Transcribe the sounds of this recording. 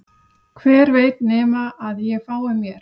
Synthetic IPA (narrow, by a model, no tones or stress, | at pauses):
kʰvɛːɾveːjt̪̚nɛːmaʔaðjɛfaːwɪmjɛɾ̥